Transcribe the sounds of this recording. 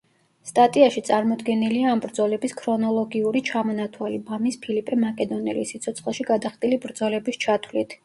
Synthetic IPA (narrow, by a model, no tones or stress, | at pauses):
st̪ʼat̪ʼiaʃit̪sʼaɾmɔd̪ɡɛniliaːmbɾd̪zɔlɛbiskʰɾɔnɔlˠɔɡiuɾit͡ʃʰamɔnat̪ʰwalibamispʰilipʼʰɛmakʼɛd̪ɔnɛ̰lḭsit̪sʰɔt̪sʰχlˠʃiɡad̪aχt̪ʼilibɾd̪zɔlɛbist͡ʃʰat̪ʰwlit̪ʰ